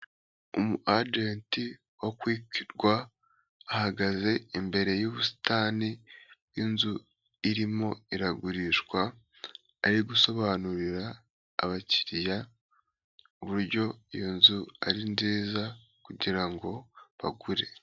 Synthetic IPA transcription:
omuʔad͡ʒeːnti | wokwiːkiɾɡwaː | haɡaze̞imbe̞ɾe̞juβusi̥taːnijinzu | iɾimo̞iɾaɡuɾiʃkwaː | ɾiɡuso̞βaːnuɾiɾa̰ː | βaci̥ɾija | uβuɾɟo̞ijonzua̰ɾinziːza | kuɟiɾaŋɡo̞βa̰ɡuɾe̞

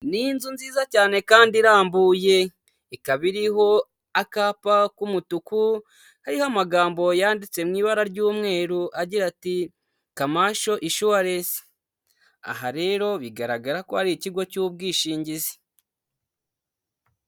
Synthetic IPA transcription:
ninzunziːzacaːne̞kaːndiɾaːmbuːje̞ | ikaβiɾiɦo̞ | akaːpakumutuku | haɾihamaɡaːmbo̞jaːndit͡se̞mŋiːβaɾaɾɟuːmŋe̞ːɾuʔaɟiɾati | kamaːʃo̞ʔiʃuwaɾe̞si̥ | a̰ɦaɾe̞ːɾo̞βiɡaɾaɡaɾako̞haɾiiciɡo̞cub̚ɡiːʃiːɲɟizi̥

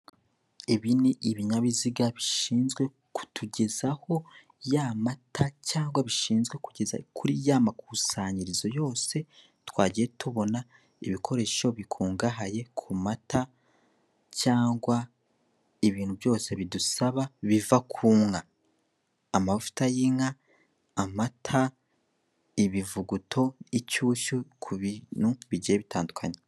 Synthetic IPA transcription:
eβiniʔiβiɲaβiziɡaβiʃiːnzɡwe̞ | ku̥tʰuɟe̞zaho̞ | jamatʰacaːŋɡwaβiʃiːnzɡwe̞kuɟeza̰kʰuɾijamakusaːɲiɾizo̞jo̞ːse̞ | twaːɟije̞tuβo̞na | ḭβikʰo̞ɾe̞ʃo̞βikʰuːŋɡaɦaje̞kʰumatʰa | caːŋɡwa | iβiːnhuvjo̞ːse̞βidusaβaβivakʰuːŋaː | maβvu̥tajiŋaː | matʰa | iβivuɡutʰo̞icuːʃukʰuβinuβiɟijeβitaːndukʰaɲe

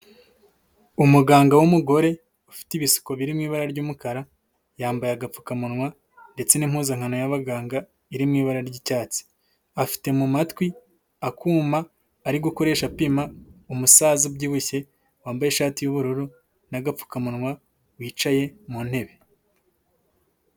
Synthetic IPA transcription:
umuɡaːŋɡawumuɡo̞ɾe̞ | ufi̥tiβisi̥ko̞βiɾimŋiːβaɾaɾɟuːmukaɾa | jaːmbajaɡap͡fu̥kamunŋwa | nde̞t͡se̞nim̥huːzaŋhano̞jaβaɡaːŋɡa | iɾimŋiːβaɾaɾɟicaːt͡si̥ | afi̥te̞mumatwi | akuːmaː | ɾiɡuko̞ɾe̞ːʃapimaumusaːzubɟiːβuçe̞ | waːmbaje̞ʃaːtijuβuɾuɾu | naɡap͡fu̥kamunŋwa | wiːt͡ʃaje̞mun̥he̞βe̞

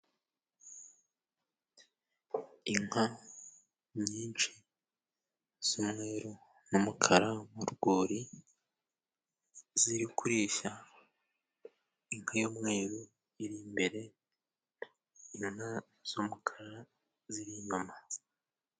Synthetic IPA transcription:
iŋ̥ha | ɲiːnt͡ʃi | z̥omŋe̞ːɾu | numukʰaɾamuɾuɡoːɾi | ziɾikuɾiːʃa | iŋhajoːmŋe̞ːɾu | iɾimbe̞ɾe̞ | ina | z̥omukʰaɾa | ziɾiɲoma

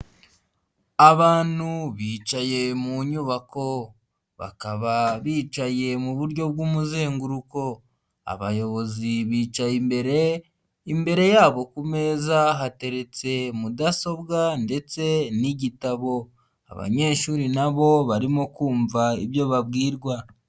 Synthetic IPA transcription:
aβaːn̥huβiːt͡ʃaje̞muɲuβako̞ | βa̰kaβaβiːt͡ʃaje̞muβuɾɟo̞b̚ɡuːmuze̞ːŋɡuɾuko̞ | a̰βajo̞βo̞ziβiːt͡ʃaimbe̞ɾe | imbe̞ɾe̞jaːβo̞kume̞ːzaɦate̞ɾe̞t͡se̞mudaso̞bɡande̞t͡se̞niɟitaβo̞ | a̰βa̰ɲe̞ːʃuɾinaβo̞βaɾimo̞kuːɱvaiβjo̞βabɡiːɾɡwa

